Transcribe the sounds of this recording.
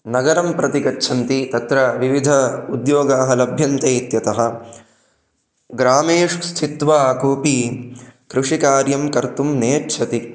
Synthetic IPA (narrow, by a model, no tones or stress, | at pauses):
nɐɡɐɾɐmpɾɐt̪ikɐːt͡ʃʰɐnt̪it̪ɐt̪ɾɐʋiʋid̪ʱɐud̪joːɡaːɦɐlɐbʱjɐnt̪ɐːt̪jɐt̪ɐɦɐ̆ | ɡɾaːmeːʂst̪ʰit̪ʋaːkuːpi | kɾuʂikaːɾjɐmkɐɾt̪umneːt͡ʃʰɐt̪i